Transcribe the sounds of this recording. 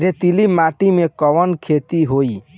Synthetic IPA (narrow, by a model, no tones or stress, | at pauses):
ɾet̪ilimaʈimekɔʋənkʰet̪iɦoi